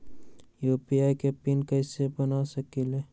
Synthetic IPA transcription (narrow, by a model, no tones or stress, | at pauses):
jopiajkepinkəɪsebənasəkileː